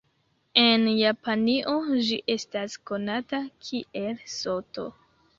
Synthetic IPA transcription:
e̞njapaniʔo̞d͡ʒiʔe̞stasko̞natakʰiʔe̞lso̞to̞̰

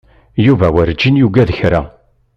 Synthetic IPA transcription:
juvæwəɾd͡ʒːinjuɡæðəçɾæ̰

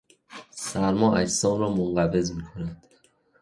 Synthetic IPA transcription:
sæɾmɒːʔæcsɒːnɾɒːmonɢæve̞zmiːkʰonænd̪̥

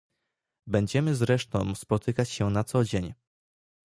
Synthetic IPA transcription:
bɛɲd͡ʑɛmɘzɾɛʂt̪ɔ̃w̃spɔt̪ɘkat͡ɕɕɛnat̪sɔd͡ʑeɲ

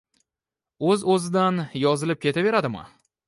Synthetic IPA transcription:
ɵzɵzɪd̪anjɒzɪlɪp̚kʲe̞t̪ʰave̞ɾad̪ɪma̰

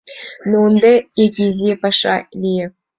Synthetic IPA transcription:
nund̪ɑekʲizʲepɑʂɑlʲijɘ̆

